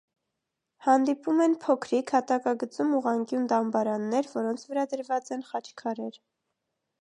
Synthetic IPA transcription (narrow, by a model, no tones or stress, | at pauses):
hɑnd̪ipumɛnpʰɔkʰɾikʰhɑt̪ɑkɑɡət͡sumuʁɑŋkjund̪ɑmbɑɾɑnːɛɾvɔɾɔnt͡sʰvəɾɑd̪əɾvɑt͡sɛnχɑt͡ʃʰkʰɑɾɛɾ